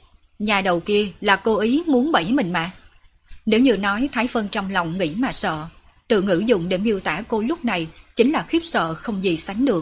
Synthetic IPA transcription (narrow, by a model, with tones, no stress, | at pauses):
ɲaː˨˩ɗə˨˩wki˧əlaː˨˩ko˧ʔi˨˦mu˨˦ənɓə˧˩jmï˨˩ŋ̟ma̰ː˧˨ | ne˨˦wɲɨ˧nɔ˨˦jt̪ʰaː˨˦jfə˧nt͡ɕɔ˧wŋ͡mlɔ˨˩wŋ͡mŋḭ˧˥maː˨˩sə̰ː˧˨ | t̪ɨ̰˧˨ŋɨ̰˧˥zʊ̰˧˨ŋ͡mɗe˧˩mʔi˧əwt̪aː˧˥ko˧lʊ˦˥k͡p̚na˨˩jt͡ɕï˨˦ŋ̟laː˨˩xi˦˥p̚sə̰ː˧˨xə˧wŋ͡mzi˨˩sa˨˦jŋ̟ɗɨ˨˩ək̚